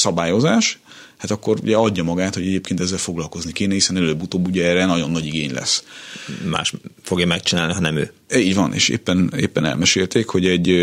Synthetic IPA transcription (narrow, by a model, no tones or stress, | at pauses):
sɒbaːjo̞zaːʃ | hat̪ɒkːo̞ɾṵɟɛɒɟːɒmɒɡaːt̪hoɟɛɟeːpkeːnt̪ɛzːɛlfo̞ɡlɒlko̞znikeːnɛhisɛnɛløːbːut̪oːbːuɟɛɛːrɛnɒɟo̞nːɒɟiɡeːɲlɛ̰s | ma̰ːʃfoɡjɒmɛk̚t͡ʃinaːlniɦɒnɛmøː | iːɟvɒnʔḛːʃḛːpːɛnḛːpːɛnɛ̰lmɛʃeːlt̪eːkho̞ɟɛɟ